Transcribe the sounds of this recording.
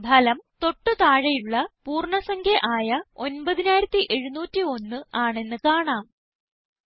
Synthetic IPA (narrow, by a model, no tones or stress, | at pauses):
bʱɐlɐmt̪o̞ʈːɨt̪aːɻɐjuɭːɐpuːrɳɐsɐŋkʰjɐʔaːjɐo̞nbɐðinaːjiɾɐt̪ːiʔe̞ɻunuːtːio̞nːɨaːɳe̞nːɨkaːɳaːm